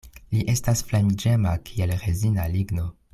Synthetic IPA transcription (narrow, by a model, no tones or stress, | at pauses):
liʔe̞stasflamid͡ʒe̞makʰielɾezinaliɡno̞